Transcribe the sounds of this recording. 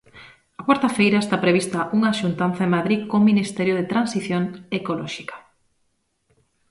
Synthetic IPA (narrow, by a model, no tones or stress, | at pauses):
ɐkwaɾt̪ɐfejɾɐest̪apɾeβ̞ist̪ɐʔuŋɐʃunt̪an̟θɐemaðɾikominist̪ɛɾjoðet̪ɾansiθjoŋekolɔʃi̥kɐ̥